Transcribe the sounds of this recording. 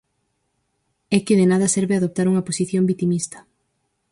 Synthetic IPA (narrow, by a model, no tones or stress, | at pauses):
ɛkɪðenað̞ɐsɛɾβeaðop̚t̪aɾuŋɐposiθjombit̪imist̪ɐ̥